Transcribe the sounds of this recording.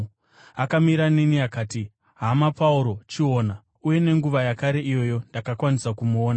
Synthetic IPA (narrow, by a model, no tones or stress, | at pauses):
akamiɾaniniakaːti | ɦamapauɾo̞t͡ʃio̞ːna | uje̞ne̞ŋɡuʋajakaɾe̞ʔijo̞jo̞ndakakwanisakumuoːna